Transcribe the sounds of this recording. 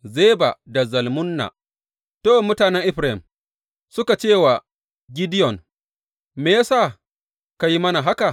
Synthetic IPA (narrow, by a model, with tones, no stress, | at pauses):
ze˦ba˨da˨zɐ˨lmʊ˦nːa̰˨ | toː˦˨mʊ˦taː˨nɛ˦ŋʔɪ˦ɸɾa˦ɪ˨m | sʊ˦ka˨t͡ʃeː˦˨wa˨ | ɡʲɪ˦dɪ˦jɔ˨n | meː˨jaː˦saː˦˨ | ka˨ji˦mɐ˦na˨ɦa˦ka˨